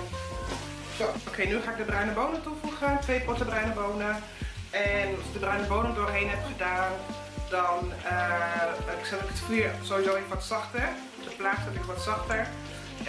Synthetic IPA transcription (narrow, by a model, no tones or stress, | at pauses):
sookʰejnyχaːɪɡ̚dəbrœɥnəbownətufuχətʋejpɔtəbrœɥnəbownə | ɛnɑsɪɡ̚dəbrœɥnəbownəŋdoːrɦejnɦɛpχədaːn | dɔnə | ɛpɪksɛɪkətkiːɹsowʋizowɪkʋɔtsɑχtə | fdəplaːsɔtɪkʋɔtsɑχtəɹ